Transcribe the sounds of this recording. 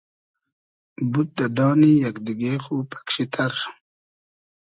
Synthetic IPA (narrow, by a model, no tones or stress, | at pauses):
but̪̚d̪ad̪ɑːnijɐkd̪iɡeːxuːpʰḁkɕit̪ʰaɾ